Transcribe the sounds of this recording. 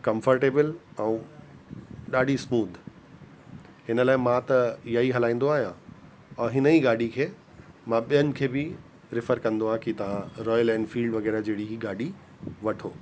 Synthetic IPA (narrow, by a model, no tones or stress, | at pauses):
kɐ̃mfəɾʈeːbəlɛ̃ũ | ɗaːɖʱismuːd̪ʱ | ɦɪnəlaːɪmãt̪ɐijaiɦɐlaːĩːn̆d̪oaːɦjã | ɛ̃ɦɪnəiɡaːɖikʰeː | mãɓijənɪ̆kʰeːbɪ | ɾɪfəɾkɐ̃nd̪oãkit̪ɐʋ̤ãɾɔːjəlɛ̃ːnfiːlɖʋɐɣɛːɾad͡ʑeɦɪɽiɦiɡaːɖi | ʋɐʈʰo̰ː